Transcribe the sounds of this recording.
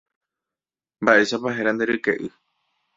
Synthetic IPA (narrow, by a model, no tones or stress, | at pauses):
mbaʔe̞ʃapaɦeɾand̪eɾɨkḛʔɨ